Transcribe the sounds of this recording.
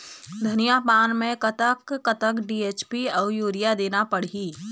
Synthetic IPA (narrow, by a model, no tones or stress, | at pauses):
d̪ʱɐnijapaːnmẽkɐt̪əkkːɐt̪əkɖiːeːt͡ʃpiɔːjuːɾijad̪eːnapɐɽ̤iː